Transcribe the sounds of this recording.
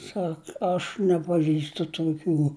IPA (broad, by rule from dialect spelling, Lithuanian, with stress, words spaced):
ˈsɐk ɐʃ nʲɛpɐˈʒʲiːstʊ tuɔˈkʲuː